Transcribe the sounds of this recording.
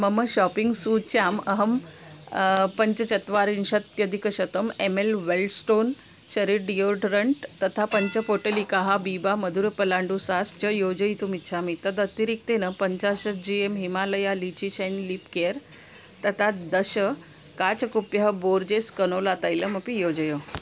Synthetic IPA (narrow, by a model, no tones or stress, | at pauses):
məməɕɔpiŋɡsut͡ɕaməɦəm | pəɲt͡ɕət͡ɕɐt̪ʋaɾinɕət̪jəd̪ʱikəɕət̪əmemelʋelʈsʈon | ɕəɾiɾɖioɾʈɾəɳʈt̪ət̪ʰapəɲt͡ɕəfoʈəlikaɦabibaməd̪ʱuɾpəlaɳɖusast͡ɕəjod͡ʑəit̪umit͡ɕʰamit̪əd̪ət̪iɾik̚t̪enəpəɲt͡ɕaɕəd͡ʑiemɦimaləjalit͡ɕiɕenlipkeɾ | t̪ət̪ʰad̪əɕə | kat͡ɕəkupjəɦəboɾd͡ʑeskənolat̪ajləməpijod͡ʑəjo